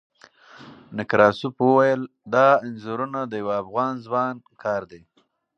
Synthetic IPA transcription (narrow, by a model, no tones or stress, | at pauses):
nɪkɾɑsupwəwajəl | d̪ɑɪnzuɾunad̪əjawaafɣɑnzmɑnkʰɑɾd̪e